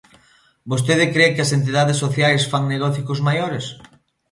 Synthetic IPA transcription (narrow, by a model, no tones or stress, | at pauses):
bos̬t̪eð̞ɪkɾekɪɐsent̪̬iðaðɪsːoθjajsfaŋneɣɔθikʊzmajoɾɪs